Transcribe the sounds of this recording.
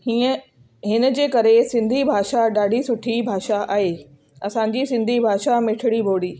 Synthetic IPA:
hiːə | ɦɪnə̆d͡ʑeːkɐɾesɪ̃nd̪ʱibʱaːʃaɗaːɖʱisʊʈʰibʱaːʃaʔaːɦeː | ɐsãɲ̆d͡ʑisɪ̃nd̪ʱibʱaːʃamɪʈʰɪɽibʱoːɽiː

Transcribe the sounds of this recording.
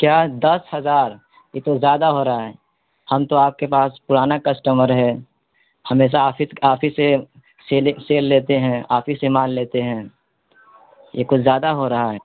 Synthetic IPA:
kjaːd̪ɐshɐzaːɾ | jet̪ozjaːd̪aɦoɾɐɦaɦɛː | hɐmt̪oaːp̚kepaːspʊɾaːnakəsʈəməɾɦɛ | hɐmeːʃ̬aaːfʰisaːpʰise | selseːlːeːt̪eɦɛ̃aːfʰisemãːnleːt̪eɦɛ̃ː | jekʊt͡ʃʰzjaːd̪aɦoɾɐɦaɦɛː

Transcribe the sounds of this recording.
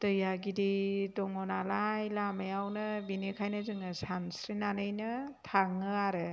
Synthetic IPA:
tɯjaɡididɔŋɔnalajlamejawnɯbinekʰajnɯzɯŋɯsamsɾinanɯjnɯtʰaŋɯaɾɯ

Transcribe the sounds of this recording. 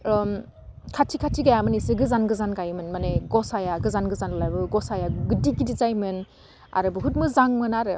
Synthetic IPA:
kʰatʰikʰatʰiɡajamɯnisɯɡɯzanɡɯzanɡajmɯnmaneɡɔsajaɡɯzanɡɯzanɯlaɾbɯɡɔsajaɡɯdiɡidizajmɯn | a̰ɾɯbɯɦut̚mɯzaŋmɯnaɾɯ

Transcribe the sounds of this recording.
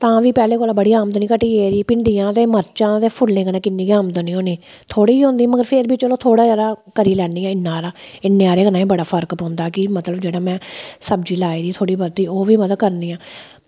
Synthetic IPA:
t̪ãːʋiːpɛːleːkoːlãːbəɽiːaːməd̪nĩːkəʈiːeːɾiːpɪɳɖiːãːt̪eːməɾt͡ʃãːt̪eːpʰʊlːẽːkənẽːkɪnːĩːkiaːmd̪ənĩːɦoːniː | t̪ʰoːɽiːiːɦõːnd̪iːməɡəɾpʰɪɾbit͡ʃoloːt̪ʰoːɽaːd͡ʒaːd̪aːkəɾiːlɛːɳiːaːɪnːaːɾaːɪnːẽːaːɾeːkənãːĩːbəɽaːpʰəɾkpɦõːnd̪aːkɪmət̪ləbd͡ʒeːɽaːmɛ̃ːsəbd͡ʒiːlaːiːd̪iːt̪ʰoːɽiːbət̪iːoːʋiːməd̪əd̪kəɾniːãː

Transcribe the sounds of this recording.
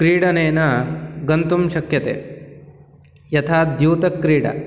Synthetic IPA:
kɾiːɽɐneːnɐɡɐnt̪umʃɐkjɐt̪ḛː | jɐt̪ʰaːd̪juːt̪ɐkːɾiːɽɐ̰

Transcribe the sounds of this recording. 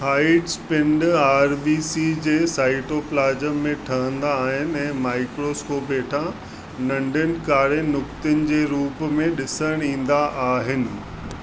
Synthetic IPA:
haːɪɖspɪ̃ɳɖaːɾbiːsid͡ʑeːsaːɪʈoːplaːd͡ʑəmːẽʈʰɐɦə̃nd̪aːɦɪnɪ̆ɛ̃ːmaːɪkɾoskoːpeːʈʰã | nɐ̃ɳɖənɪ̆kaːɾenʊkt̪ʊnɪ̆d͡ʑeːɾuːpmẽɗɪsəɽ̃ĩːn̆d̪aʔaːɦɪnɪ̆

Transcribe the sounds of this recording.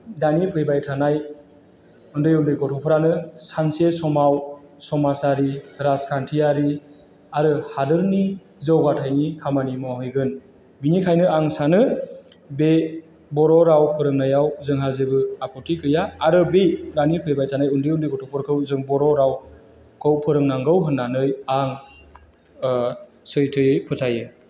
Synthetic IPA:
danipʰɯjbajtʰanaj | undɯjundɯjɡɔtʰɔpʰɯɾanɯsansesɔmawsɔmasaɾiɾaskʰantʰijaɾi | aɾɯhadɯɾni | zɯwɡatʰajnikʰamanimɔhɯjɡɯn | binikʰajnɯaŋsanɯ | be | bɔɾɔɾawpʰɯɾɯŋnajawzɯŋɦazebɯapʰɔtʰikʰɯjaːɾɯbejɾanipʰejbajtʰanajundiundijɡɔtʰɔpʰɔɾkʰɯwzɯŋbɔɾɔɾaw | kʰɯwpʰɯɾɯŋnaŋɡɯwɦɯnːanɯjaŋ | sɯjtʰɯjɯjpʰɯtʰajɯ

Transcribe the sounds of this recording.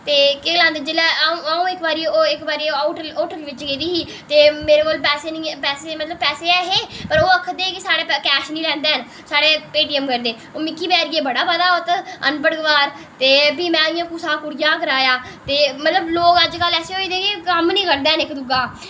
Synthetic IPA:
t̪eːkelãːnd̪eːd͡ʒɪlɛ̃ːaũːɪkbaːɾiːoːɪkbaːɾiːaʈəoːʈəlʋɪt͡ʃɡeːd̪iːɦiː | t̪eːmeːɾeːkoːlpɛːseːnĩːpɛːseːmət̪ləbpɛːseːɛːɦeːpəɾoːəkʰːd̪eːkisaːɽeːpːkɛːʃnĩːlɛ̃ːnd̪eːɦən | saːɽeːpeːʈiːəmkəɾd̪eː | oːmɪkːiːbɛːɾiɡeːbəɽaːpəd̪aːoːt̪ənpəɽɡʋaːɾ | t̪eːbiːmɛ̃ːijãːkusaːkʊɽjãːk̬əɾaːjaː | t̪eːmət̪ləbloːkəd͡ʒkəlɛːseːɦoːiːd̪eːkeːkəmnĩːkəɾd̪eːɦənɪkd̪ʊɡaː

